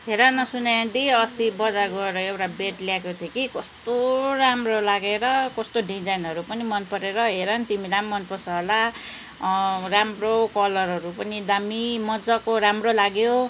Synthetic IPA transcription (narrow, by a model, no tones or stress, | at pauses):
ɦeɾanʌsunãd̪iʌst̪ibʌd͡zaɡʌɾʌewʈabeʈljakot̪ʰjekikʌst̪oɾamrolaɡeɾʌkʌst̪oɖid͡zajnʌɾupʌnimʌnpʌɾeɾʌɦeɾʌnt̪imilamːʌnpʌsala | ramrokʌlʌɾɦʌɾupʌnid̪amimʌd͡zʌkoɾamrolaɡjo